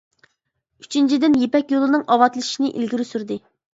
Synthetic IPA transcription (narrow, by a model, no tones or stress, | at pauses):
yt͡ʃʰint͡ʃʰid̪ɪnjepɛkʲjolˠɨnɨŋʔɑwɑt̪lˠɨʃinɪʔḭlɡʲiɾysyɾd̪ɨ